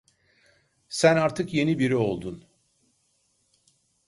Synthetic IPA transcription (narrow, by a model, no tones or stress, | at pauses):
sænaɾt̪ʰɯkje̞nibiɾio̞lˠd̪un